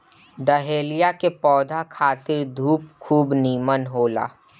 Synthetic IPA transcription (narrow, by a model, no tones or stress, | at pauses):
ɖəɦeːlijakepɔːd̪ʱakʰaːt̪ɪɾd̪ʱuːpkʰuːbniːmənɦoːla̰ː